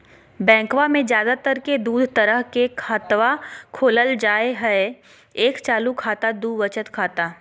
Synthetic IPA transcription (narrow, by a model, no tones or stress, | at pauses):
bɛ̃ːkʋamẽzjaːd̪at̪əɾked̪uːd̪ʱt̪əɾəɦkekʰaːt̪ʋakʰoːləld͡ʒaːeɦɛe | eːkt͡ʃaːlukʰaːt̪ad̪uʋət͡ʃət̪kʰaːt̪aː